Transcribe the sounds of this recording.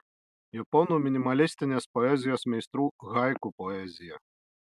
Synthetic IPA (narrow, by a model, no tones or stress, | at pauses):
japɔnumʲinʲimalʲist̪ɨnʲɛspɔɛzʲijɔsmʲajst̪ɾuɣajkupɔɛzʲijɐ